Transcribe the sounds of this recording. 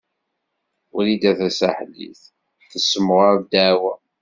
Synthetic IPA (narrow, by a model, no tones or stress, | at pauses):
ʊɾid̪æθæsæħlːḭθ | θəsːəmʁad̪awæ